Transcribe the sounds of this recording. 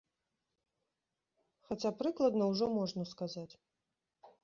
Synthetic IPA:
xat͡sʲapɾɨklˠɐd̪nɐwʐɔmɔʐnɐskazat͡sʲ

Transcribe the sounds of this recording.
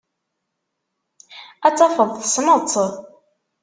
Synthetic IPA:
æt͡sːɑfəðˤθsmət͡sːə

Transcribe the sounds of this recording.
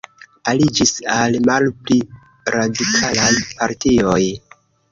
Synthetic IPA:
alid͡ʒisalmalpli | ɾadikʰalajpaɾtioj

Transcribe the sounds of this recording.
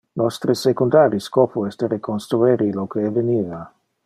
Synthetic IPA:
nɔst̪ɾesekund̪aːɾiskɔːpuɛst̪eɾekonst̪ɾueɾilokeveniːva

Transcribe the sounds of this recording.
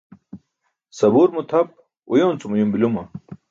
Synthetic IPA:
sɐbuːɾmut̪ʰɐp̚ | ujoːnt͡sumujumbilumɐ

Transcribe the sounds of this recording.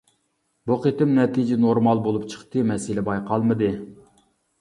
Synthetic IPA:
buqet̪ɪmnɛt̪ʰid͡ʒɪnoɾmɑlˠbolˠupt͡ʃʰə̥χt̪ɨmɛsɪlɪbɑjqʰɑlˠmɨd̪ɨ

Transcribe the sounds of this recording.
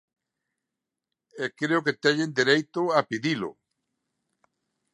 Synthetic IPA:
ekɾeoket̪ɛɲẽnd̪iɾejt̪ʊapiðilʊ̰

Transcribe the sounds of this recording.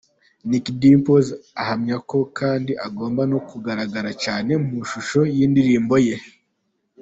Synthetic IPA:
nikdimpozahamɲako̞kaːndiʔaɡo̞ːmbano̞kuɡaɾaɡaɾacaːne̞muʃuʃo̞jiːndiɾiːmbo̞je̞

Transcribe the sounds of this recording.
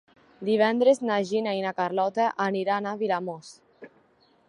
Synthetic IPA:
d̪iβɛnd̪ɾeznaʒinainakaɾlɔt̪aʔaniɾanaβilamos

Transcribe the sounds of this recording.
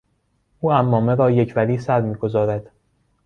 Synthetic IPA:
ʔuːæmːɒːme̞ɾɒːjecʰvæɾiːsæɾmiːɡo̞zɒːɾæd̪̥

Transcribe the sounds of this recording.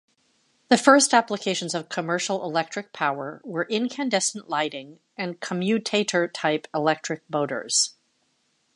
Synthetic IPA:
ðɨfɜ˞stæpləkʰeɪʃn̩zʌv̥kʰəmɜ˞ʃl̩ˠɪlɛk̚tɹ̥ɨk̚pʰaʊə˞wə˞ʔɪ̃nkʰæ̃ndɛsn̩ʔlaɪɾɪ̃ŋ | ɨ̃nkʰəmjʉtʰeɪɾə˞tʰaɪpəlɛk̚tɹ̥ɨk̚b̥oʊɾə̰˞z̥

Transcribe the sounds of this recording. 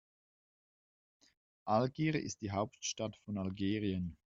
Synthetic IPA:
ʔalɡiːʁʔɪ̰st̚d̥iːɦaʊptʃtatfɔnalɡeːʁiən

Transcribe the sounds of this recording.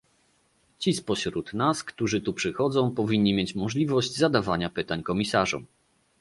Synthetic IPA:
t͡ɕispɔɕɾut̪naskt̪uʐɘt̪upʂɘxɔd̪zɔ̃w̃pɔvʲiɲːimʲjet͡ɕmɔʐlʲivɔʑd͡ʑzad̪avaɲapɘt̪aɲkɔmʲisaʐɔ̰m

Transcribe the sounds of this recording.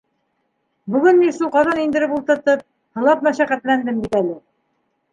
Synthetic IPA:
bɵ̆ɡɘnminʃulˠqɑðɑnind̪ɘ̆ɾɘpulˠt̪ɤ̆ɾt̪ɤp̚ | hɤ̆lˠɑpmæʃæqæt̪lænd̪ɘmbit̪ælɘ

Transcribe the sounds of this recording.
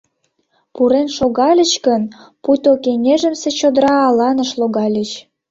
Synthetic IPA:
puɾenʃoɣɑlʲə̆t͡ɕkənput̪ʲokenʲeʒə̆mset͡ɕod̪ɾɑːlɑnəʃloɣɑlʲət͡ɕ

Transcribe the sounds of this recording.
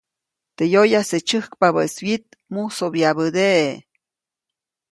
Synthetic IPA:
t̪ejojaset͡ʃɨhkpaβəeswit̪̚ | musobjabəd̪eʔe

